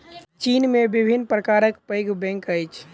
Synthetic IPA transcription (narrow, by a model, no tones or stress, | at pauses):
t͡ʃinmebibʱinːpɾəkaɾəkpəjɡʱbɛ̃ŋkəjt͡ʃʰ